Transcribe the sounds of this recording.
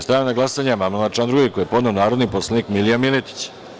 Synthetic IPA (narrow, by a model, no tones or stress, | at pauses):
st̪ɾaːanaɡlasaɲamamnolat͡ʃand̪ɾuikojepo̞d̪ne̞onaːɾo̞d̪niposlˠanikmilijamilet̪i̥t͡ɕ